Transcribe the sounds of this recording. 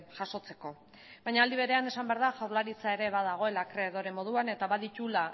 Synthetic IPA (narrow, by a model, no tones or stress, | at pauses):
ʝaso̞t͡se̞ko̞ | bajɲaːld̪iβe̞ɾe̞ane̞sambeaɾðaʝawɾlaɾit͡sae̞ɾe̞βaðaɣ̞o̞e̞lakɾe̞ðoɾe̞mːo̞ð̞uane̞t̪aβaðit̪ula